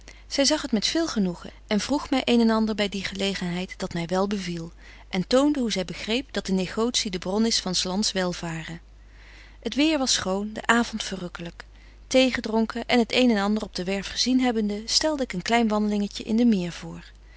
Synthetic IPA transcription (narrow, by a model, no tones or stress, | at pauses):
z̥ɛjzɑχɦətmɛtfɪːlˠχənuχə̰ʔɛnvruχmɛjʔejnɛnɑndəɹbɛjdiχəlejχənɦɛjtd̥ɑtmɛjʋɛlˠbəvilˠ | ʔɛntowndəɦuzɛjbəχrejpd̥ɑt̚dəneχowtsidəbrɔnɪsfɑnslɑntsʋɛlˠvaːrə | ətʋɪːɹʋɑsχowndə̰ʔaːvɔntfərɵkələk | tejχədrɔŋkəʔɛnɦətejnɛnɑndərɔb̚dəʋɛɹfχəzinɦɛbəndəstɛlˠdəɪkənklɛjnʋɑndəlɪŋəcəʔɪ̰ndəmɪːɹv̥ʊːɹ